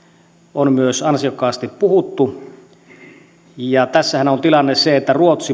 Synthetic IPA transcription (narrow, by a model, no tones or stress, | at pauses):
onmyøsɑnsiokːˑɑːst̪ippuhut̪ːu | jɑt̪æsːæhænont̪ilɑnːeseet̪ːæruot̪si